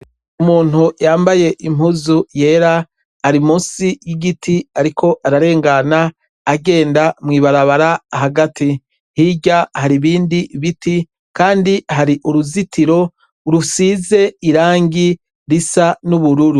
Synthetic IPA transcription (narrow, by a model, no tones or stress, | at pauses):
umuːn̥hujaːmbaje̞ʔim̥uzuje̞ɾa | aɾimuːsijiɡitʰiaɾikʰo̞ʔaɾaɾe̞ːŋɡanaː | ɡe̞ːndamŋiːβaɾaβaɾaɦaɡati | hiɟahaɾiβiːndiβiti | kaːndiɦaɾiʔuɾuzitʰiɾo̞ | uɾusiːze̞iɾaːŋɡi | ɾisanuβuɾuɾu